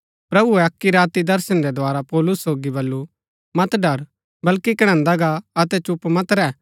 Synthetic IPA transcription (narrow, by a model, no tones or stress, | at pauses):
pɾɐbuɛɐkːiɾaːt̪id̪ɐɾsənɾɛd̪ʱoaːɾapoːlʊsːoːɡibɐlːu | mɐt̪ɖɐɾ | bɐlkikɐɽ̃ə̃nd̪aɡaɐt̪ɛt͡ʃʊpmɐt̪ɾɛː